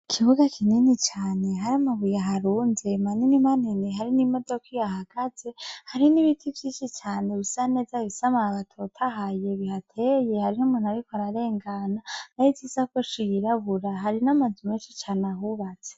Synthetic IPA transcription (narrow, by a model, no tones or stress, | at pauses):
ikʰiβuɡakʰininit͡ʃaːne̞ɦaɾiamaβujaɦaɾuːnze̞maninimaniniɦaɾinimo̞do̞kijahaɡ̥aze̞haɾiniβitʰivjiːʃit͡ʃaːne̞βisane̞ːzaβisamaβatʰotʰaɦaje̞βihatʰeje̞haɾinumunaɾikoaɾaɾe̞ːŋɡananaiviːzakoʃijiɾaβuɾaɦaɾinamazumeːnʃit͡ʃaːnaɦuβaz̥e̥